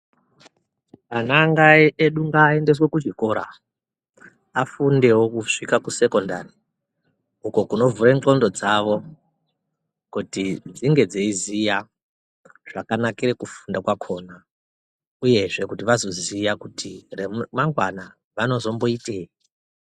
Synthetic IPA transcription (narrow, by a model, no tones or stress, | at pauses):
anaŋɡaeɗuŋɡaːe̞nde̞swe̞kuʐiko̞ɾa̰ | afunde̞wokuʂikakuse̞ko̞ndari | uko̞kuno̞vureŋko̞ndo̞d͡zaʋo̞ | kutid͡ziŋɡe̞d͡zeizija | ʐ̥akanakirekufundakwakʰo̞na | uje̞ʐe̞kutiʋazo̞zijakutʰiremaŋɡwana | ʋano̞zo̞mbo̞itei